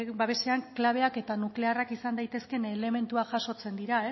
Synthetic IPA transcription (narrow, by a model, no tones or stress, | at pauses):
baβe̞se̞aŋklaβ̞e̞ake̞t̪anukle̞arakisand̪ajt̪e̞ske̞nele̞me̞nt̪uaʝaso̞t͡se̞nd̪iɾae